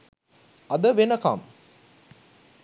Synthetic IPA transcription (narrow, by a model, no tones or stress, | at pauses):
ɐd̪əʋenɐka̰m